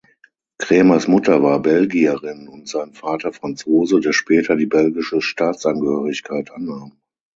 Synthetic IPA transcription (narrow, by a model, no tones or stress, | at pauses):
kʁ̥eːmasmʊtɐvaːɐbɛlɡiɐʁɪnʊntz̥aɪnfaːtɐfʁ̥ant͡soːzədeːɐʃpɛːtʰɐdiːbɛlɡɪʃəʃtaːtt͡sʔanɡəhøːʁɪçkʰaɪtʔanːaːm